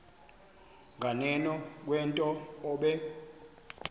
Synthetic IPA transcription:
ŋʱanɛnɔk̬wɛntʼɔːɓɛ

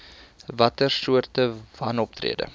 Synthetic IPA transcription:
vɐtərsuərtəvɐnɔp̚trḭədə̰

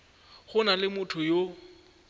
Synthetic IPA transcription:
χʊnalɪmʊtʰʊjo

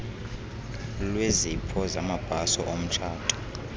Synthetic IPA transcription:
lwezipʰɔzamab̥ʱasɔʔom̩t͡ʃʰaːtʰʼu̥

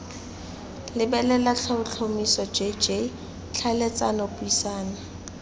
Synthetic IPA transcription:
lɪbɛlɛlat͡ɬʰaʊt͡ɬʰomisɔd͡ʒed͡ʒe | t͡ɬʰalet͡sʼanɔpʼʊisaːna

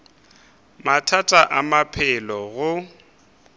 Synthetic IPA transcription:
matʰatʼaʔamapʰɪlɔɣʊ

